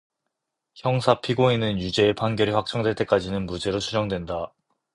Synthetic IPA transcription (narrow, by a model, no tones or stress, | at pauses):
çjʌŋsʰapʰiɡoenɯnjud͡ʑe̞ːpʰanɡjʌɾiɸwak̚t͡ɕ͈ʌŋdweɭt͈e̞k͈ad͡ʑinɯnmud͡ʑe̞ɾosʰud͡ʑʌŋdwe̞nda